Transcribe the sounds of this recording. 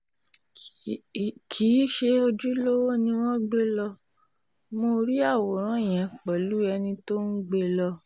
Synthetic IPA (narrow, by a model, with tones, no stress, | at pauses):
kʰi˨˦ʃe˧o˧d͡ʒu˦lo˦wo˦nĩ˧w̃ɔ̃˦ɡ͡be˦lɔ˧ | mo˧ɾi˦a˦˨wɔ˨ɾ̃ã˦˨j̃ɛ̃˨k͡pɛ˨lu˨˦ɛ˧nĩ˧to˦n̩˦ɡ͡be˦lɔ˧